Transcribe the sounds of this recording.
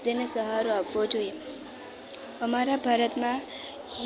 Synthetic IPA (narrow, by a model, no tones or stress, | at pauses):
d̪enesəɦaɾoapʋod͡ʒoje | əmaɾabʱaɾət̪mã